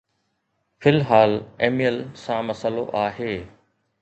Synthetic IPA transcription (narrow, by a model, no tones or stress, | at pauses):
fɪlɦaːleːmijəlsãmɐsəloʔaːɦeː